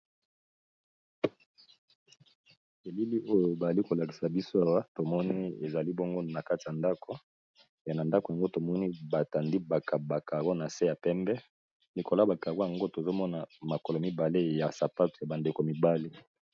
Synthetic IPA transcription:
e˨li˦li˦o˦jo˨ba˨a˨li˦ko˨la˨ki̥˨sa˨bi˦so˦a˨wa˦to˨mɔ˦ni˦e˨za˨li˦bo˦ŋɡo˦na˨ka˦ti˨ja˨nda˦ko˦ | ja˨na˨nda˦ko˨ja˨ŋɡo˦to˨mɔ˦ni˦ba˨ta˨ndi˦ba˨kʰa˨ba˨ka˨ɡo˦na˨se˦ja˨pɛ˦mbɛ˦ | li˨ko˨la˦ba˨ka˨ɡo˦ja˨ŋɡo˦to˨zo˦mɔ˦na˨ma˨kɔ˨lo˨mi˦ba˨le˦ja˨sa˨pa˦tu˨ja˨ba˨nde˨ko˨mi˨ba˦le˦

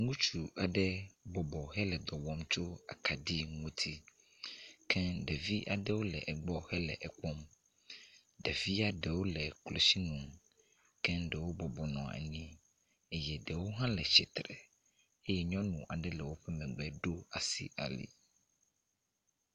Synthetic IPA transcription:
ŋũ˦t͡ʃu˨ʔa˨ɖɛ˦bɔ˨bɔ˨ɦɛ˦lɛ˨d̪ɔ˨wɔ˦mt͡ʃo˦a̰˨kʰa˨ɖi˦ŋũ˦t̪ʰi˦ | kʰɛ̃˦ɖɛ˨vi˦ʔa˨ɖɛ˦wo˦lɛ̰˨ʔɛ˨ɡ͡bɔ˦hɛ˦lɛ̰˨ʔɛ˨kɔ˦m | ɖɛ˨vi˦a˦ɖɛ˨wo˦lɛ˨klo˨si˦nũ˨m | kɛ̃˦ɖɛ˨wo˦bɔ˨bɔ˨nɔ̰̃˨ḛ˨nĩ˦ | e˦jɛ˨ɖɛ˨wo˦ɦã˦lɛ˨ʃɛ˨t̪ɾɛ̰˨ | e˦jɛ˦ɲɔ̃˦nũ˨ʔa˨ɖɛ˦lɛ˨wo˦ɸɛ˦mɛ̃˨ɡ͡bɛ˦ɖo˦a˨sḭ˦ʔa̰˨lḭ˦

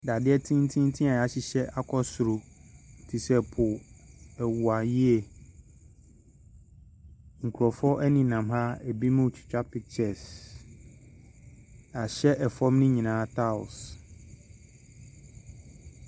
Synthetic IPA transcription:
da˨dɪ˦ɛ˦tʰĩ˦n˦tʰĩ˦n˦tʰĩ˦a˨ja˨˦ɕɪ˨ɕɛ˦ʔa˦kʰɔ˦sʊ˨ɾʊ˨tʰi˨sɛ˨pʰʊ˨ɛ˨wʊ˨a˨ji˦ɛ˨ | ŋ̩˨kʰu˨ɾɔ˨fɔ˦ʔɛ˦nĩ˨nã˨mha˦ɛ˨bi˦mʊ̃˦˨t͡ɕʰɪ̥˨t͡ɕᶣa˦pʰɪ˨t͡ɕʰɛ˦˨s | a˨ɕɛ˦ʔɛ˨fɔ˦mnɪ̃˦ɲĩ˨nãː˨˦tʰa˦ʊ̰˨s

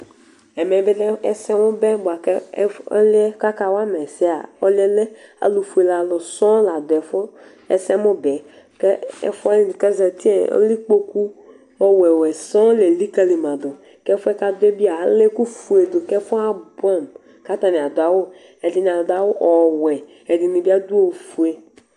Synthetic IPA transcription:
ɛ˨mɛ˨˦be˦lɛ˦sɛ˦mʊ˦bɛ˦ba˨kɛ˦ɔ̰˦le˦ka˦ka˨wa˦mɛ˨sɛ˦a̰˨ɔ˦le˦le˦a̰˨lu˨fu˨e˨la˨lʊ˨sɔ˦la˨d̪ʊ˨ɛ˨fo˦ | ɛ̰˦sɛ˦mʊ˦bɛ˨ | kɛ˦ɛ̰˦fkɛ˦zɛ˨ti˦e˨ɔ̰˦li˦k͡po˦ku˦ | ɔ˦wɛ˨wɛ˨sɔ̃˦le˨li˦ka˧li˨mã˨d̪o˨ | kɛ˦fʊ˦ɛ˦ka˧dʊ˦ɛ˦bi˦a˨le˦ku˦fu˨e˨do˨kɛ˦fɔ˦a˦bu˦a˦˨m | ka˨˦ta˨ni˨a˨dʊ˨a˨wo˦ | ɛ˨di˨n˨a˨dʊ˨a˨wo˦ʔɔ˨wɛ˨ | ɛ˨di˨ni˨bi˦a˦du˦o˦˨fu˨e˨

